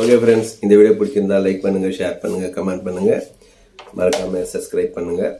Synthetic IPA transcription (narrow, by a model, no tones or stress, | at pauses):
oːɡeːfɾɛɳɖsɪnd̪ɐʋiːɽjɐpʊɽɪkːɪɾɯnd̪ãːlɐɪk̚pɐɳːɯŋɡɐʂeːɾpɐɳːɯŋɡɐkɐmẽːɳɖ̚pɐɳːɯŋɡɐ | mʔɐɾɐkːaːmesɐbskɾɐɪb̚pɐɳːɯŋɡɐ